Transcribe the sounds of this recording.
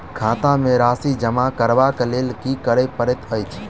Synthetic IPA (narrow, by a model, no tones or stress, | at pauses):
kʰãːt̪ãmẽɾaːsid͡ʒəmakəɾʋakleːlkikəɾepəɾet̪əjt͡ʃʰ